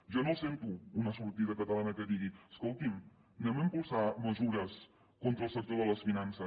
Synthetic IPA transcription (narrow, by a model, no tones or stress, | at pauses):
ʒɔnosent̪uːnəsuɾt̪iðəkət̪əlanəkəðiɣiəskolˠt̪im | nɛməmpulˠsaməzuɾəs | kont̪ɾəlˠsək̚t̪oðələsfinansə